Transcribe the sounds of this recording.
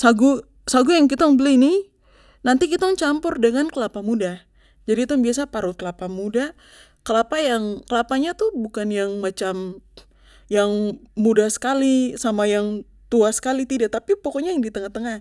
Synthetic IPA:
saɡu | saɡujaŋkit̪aŋbəlini | nant̪ikit̪ɔŋt͡ʃampʊrdəŋankəlapamuda | d͡ʒadit̪uŋbias̬apaɾukəlapamuda | kəlapajaŋkəlapaɲat̪ubukanjaŋmat͡ʃam | jaŋmudahsə̥kalisamajaŋ | t̪uasə̥kalit̪idaʔt̪apipokɔɲajaŋdit̪əŋaht̪əŋah

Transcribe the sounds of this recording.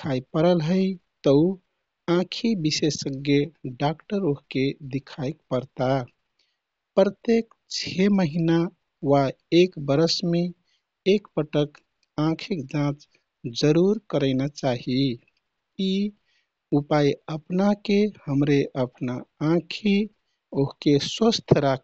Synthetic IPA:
kʰajpəɾəlɦəɪt̪əu | ãkʰibisesːəɡjeɖakʈəɾoɦked̪ikʰajpəɾt̪a | pɾət̪ek̚ | t͡ʃʰeməɦina | wa | ekbəɾəsme | ekpəʈək | ãkʰikd͡ʒãt͡ʃ | d͡ʒəɾuɾkəɾəɪnat͡ʃaɦi | i | upajəpnakehəmɾeʔəpnaãkʰi | oɦkeswəst̪ʰɾak

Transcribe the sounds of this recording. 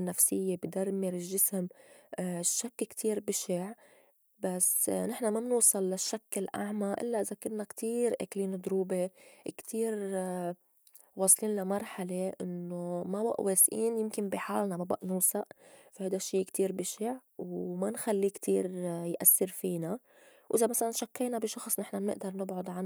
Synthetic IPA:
nːafsɪjːebid̪aɾˤmɪɾɪʒːɪsm | ʃːakːkt̪ʰiːɾbɪʃɪʕ | basnɪħnamamnuːsˤɨlːaʃːakːɪlʔa̰ʕmaʔɪ̰lːaʔɪzakʊnnːakt̪ʰiːɾʔakliːnd̪ˤɾuːbekt̪ʰiːɾ | wɑːsˤliːnlamɑɾˤħaleʔɪnːomaba̰ʔwʔeːsʔiːnjɪmkɪmbiħaːlnamaba̰ʔnuːsaʔfahajd̪aʃːiːkt̪iːɾbɪʃɪʕ | wmanxalːikt̪ʰiːɾjʔasːɪɾfiːna | wʔɪzamasalanʃakːeːnabiʃɑxsˤnɪħnanɪ̰ʔd̪ɑɾˤnɪbʕʊd̪ˤʕan

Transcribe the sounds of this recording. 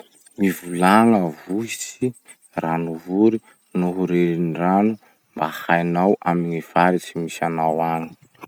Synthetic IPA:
mivulaŋəvuisi | ranuvuɾi | nuɦuɾeɾinranu | mbahajnawʔamiɲiv̥aɾit͡simisanawaɲi̥

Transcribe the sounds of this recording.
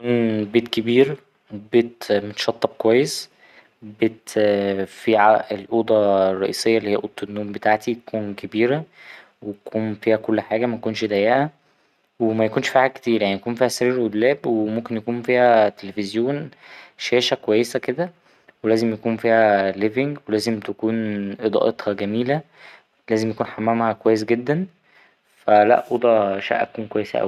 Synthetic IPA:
kuːnbeːt̪kebiːɾ | beːt̪mot̪ʃɑt̪ˤːɑb̚kowæjːes | beːt̪ | fiːʕaʔelʔoːd̪ˤɑrˤːɑ̰ʔḭːsˤejːɑʔlihejːæʔot̪ˤːonːuːmbet̪aʕt̪it̪kuːnkʰebiːɾæ | weækʰuːnfiːhækolːħaːɡæmækonʃd̪æjæʔæ | wemæjækuːnʃfiːħæket̪iːɾjaʕniækuːnfiːhæsæɾiːɾʔod̪læːbwemomkenjækuːnfiːhæt̪elefezjoːnʃæːʃækowæjːesæked̪æ | welæːzemjækuːnfiːhæleveŋɡwelæːzemt̪ekuːnʔed̪ˤɑ̰ʔet̪hɑɡæmiːlæ | læːzemjækuːnħamːæmhækowæjːesɡed̪ːæn | fælæ̰ʔʔod̪ˤɑʃæ̰ʔæ̰kuːnkowæjːesæ̰ʔæ̰wi

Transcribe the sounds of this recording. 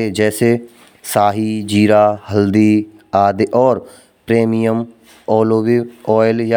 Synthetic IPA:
eːd͡ʒɛːseː | saːɦiːd͡ʒiːɾaːhəld̪iː | aːd̪eʔɔːɾ | pɾeːmijəm | ɔːloːʋiːɔːɪlja

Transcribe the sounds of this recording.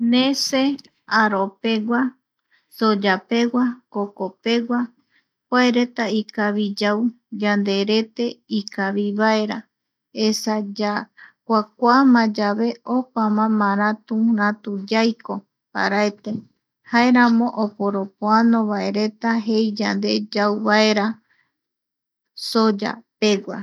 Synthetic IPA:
nẽse | aɾope̞wa | sod͡ʒape̞wakokope̞wa | kʷaeɾe̞t̪aikaβid͡ʒaw | d͡ʒand̪e̞ɾe̞t̪e̞ikaβiβae̞ɾa | esad͡ʒakʷak̚ʷamãd͡ʒaβe̞opamãmãɾãt̪ũɾãt̪ud͡ʒajko | pa̰ɾaet̪e̞ | hae̞ɾãmõ̞ʔopoɾopoanõβaeɾe̞t̪aɦejd͡ʒand̪e̞d͡ʒawβaeɾa | sod͡ʒa̰pe̞wa̰

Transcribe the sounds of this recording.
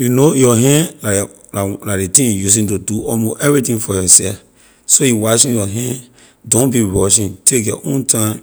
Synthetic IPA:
junojɔɦɛ̃nla | laladetĩnjus̬ĩntuduɔmoʔɛvɹitĩnfɔjɔsɛf | sojiwaʃĩnjɔɦɛ̃n | dõnbiɹɔʃĩntʰekjɔʔõntʰãm

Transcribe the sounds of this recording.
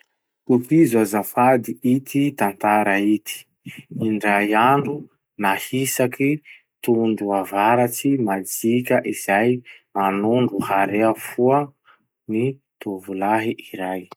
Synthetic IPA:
kupizazafad̪iit̪ʰit̪ant̪aɾait̪ʰi̥ | iɳɖ͡ʐajaɳɖ͡ʐu | nahisaki | t̪uɳɖ͡ʐuavaɾat͡simad͡zikʲəʔiz̥ajmanuɳɖ͡ʐuhaɾeafuə | ni | t̪uvulaɦiʔiɾaj

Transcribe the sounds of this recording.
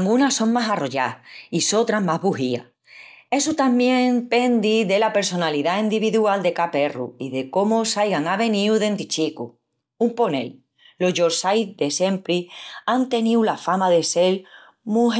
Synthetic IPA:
ŋɡunaso̞ŋmasaro̞ʝaiso̞t̪ɾaɦmaɦβuɦia̰ | e̞sut̪ambjẽ̞ŋpe̞nd̪iðe̞lape̞ɾso̞naliðaind̪iβiðuald̪e̞kape̞rṵiðe̞ko̞mosajɣaŋaβe̞nĩwðe̞nt̪it͡ʃiku | umpo̞ne̞̰lː | o̞zʝoɾsajðe̞se̞mpɾiant̪e̞niwlafamaðe̞se̞l | muɦ

